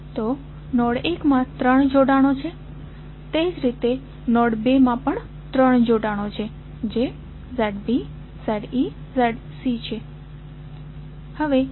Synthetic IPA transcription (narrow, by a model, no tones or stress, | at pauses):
t̪o | nɔɽekmãt̪ɾəɳd͡ʒoɽaɽ̃ot͡ʃʰe | t̪ed͡ʒɾit̪e | nɔɽbemãpəɳ | t̪ɾəɳd͡ʒoɽaɽ̃ot͡ʃʰe | d͡ʒe | zeɖbi | zeɖi | zɛɖ | sit͡ʃʰe | həʋe